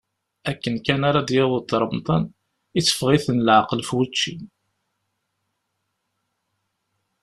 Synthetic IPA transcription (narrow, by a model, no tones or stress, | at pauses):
ækːənkænaɾɑd̪jeðˤt̪ːɾˤəmt̪ˤɑn | it͡sːə̥fʁiθənlʕaqəlfwət͡ʃːḭn